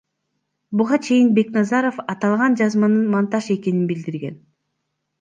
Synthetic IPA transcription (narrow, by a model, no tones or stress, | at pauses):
buʁɑt͡ʃʰe̞jinbe̞knɑzɑɾofɑt̪ɑlˠʁɑnd͡ʒɑzmɑnɯnmɑnt̪ɑʃe̞ke̞ninbild̪iɾɡe̞n